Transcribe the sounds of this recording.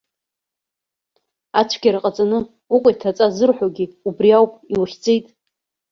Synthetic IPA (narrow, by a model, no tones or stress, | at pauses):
at͡ʃʷʰɡʲaɾaqʼat͡sʼanɨ | ukʷʼajtʰat͡sʼazɨrħʷᶣaɡʲiubriawpʼiwχʲd͡zʼejtʼ